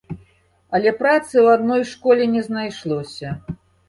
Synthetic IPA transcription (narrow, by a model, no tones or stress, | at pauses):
ɐlʲɛpɾat̪sɨwad̪nɔjʂkɔlʲɛnʲɛznajʂlˠɔsʲɐ